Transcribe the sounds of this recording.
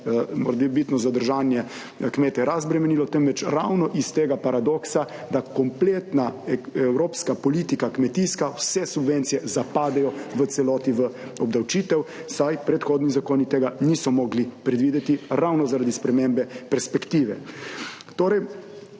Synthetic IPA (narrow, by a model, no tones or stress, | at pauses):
mɔ̰ɾd̪ibit̪nɔzad̪əɾʒaːnjɛ | kmeːt̪ɛɾazbɾɛmɛniːlɔt̪ɛmʋɛt͡ʃɾawnɔʔist̪eːɡapaɾad̪ɔksa | d̪akɔmpleːt̪naɛwɾoːpskapɔlit̪ikakmɛt̪iskawsɛsubʋent̪sijɛzapaːd̪ɛjɔʋət̪sɛlɔːt̪iʋə | ɔbd̪awt͡ʃiːt̪ɛwsajpɾɛt̪xoːd̪nizakoːnit̪eːɡanisɔmɔːɡlipɾɛd̪ʋiːd̪ɛt̪iɾawnɔzaɾaːd̪ispɾɛmembɛpɛɾspɛkt̪iːʋɛ | t̪oːɾɛj